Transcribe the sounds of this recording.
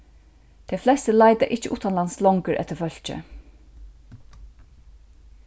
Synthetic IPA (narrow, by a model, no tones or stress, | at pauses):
d̪̥ʰeflɛst̪əlæɪd̪aʔɪt͡ʃːəʔut̪anlanslɔŋkəɹʔɛ̰t̪əfœl̥t͡ʃə̰